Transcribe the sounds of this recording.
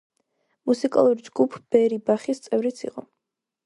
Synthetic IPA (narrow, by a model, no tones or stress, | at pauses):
musikʼa̰lˠuɾid͡ʒɡupʰb̥ɛɾibaχist̪sʼɛvɾit̪sʰḭqʼɔ̰